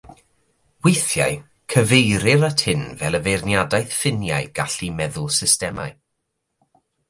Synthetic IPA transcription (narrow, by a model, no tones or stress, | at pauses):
wejθjaɨ | kʰəvejɾɪɾatʰɪnvɛlˠəvejrnjadajθfɪnja̰ɨɡ̥aɬimɛðʊlˠsɪstɛma̰ɨ